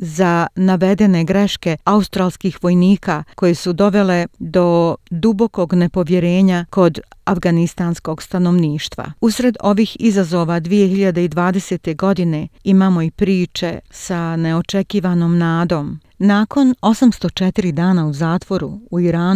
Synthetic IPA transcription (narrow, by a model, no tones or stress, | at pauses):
zanaʋe̞d̪e̞ne̞ɡɾe̞ʃke̞aust̪ɾaːlˠskiːxʋo̞jniːkako̞jesud̪o̞ʋe̞le̞d̪o̞d̪ubo̞ko̞ɡne̞po̞ʋjeɾe̞ːɲako̞d̪afɡanist̪aːnsko̞ɡst̪ano̞ʋniːʃt̪ʋa̰usɾe̞d̪o̞ʋiːxizazo̞ʋad̪ʋije̞hiʎad̪eid̪ʋaːd̪e̞se̞ːt̪e̞ɡo̞d̪ine̞imaːmo̞ipɾiːt͡ʃe̞sane̞ot͡ʃekiːʋano̞ːmnaːd̪o̞ːm | naːko̞no̞samst̪ot͡ʃet̪iɾid̪aːnauzaːt̪ʋo̞ɾuuiɾaːn